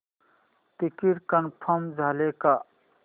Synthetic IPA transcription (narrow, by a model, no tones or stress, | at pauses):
t̪ikiɾkənpʰəmd͡zʱaleka